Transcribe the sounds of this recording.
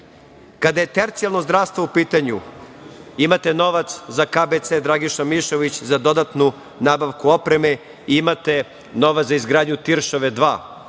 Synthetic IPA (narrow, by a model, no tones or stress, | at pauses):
kad̪aje̞t̪eɾt̪sijalˠno̞zd̪ɾaːʋst̪ʋoupiːt̪aɲu | imat̪e̞no̞ʋat̪szakaːbet̪sed̪ɾaɡiʃamiʃoʋit͡ɕzad̪o̞d̪at̪nu | naːbaʋkuo̞pɾe̞me̞ | iimat̪e̞ | no̞ʋat̪zaizɡɾaːd̪ɲut̪iɾʃoʋed̪ʋa̰ː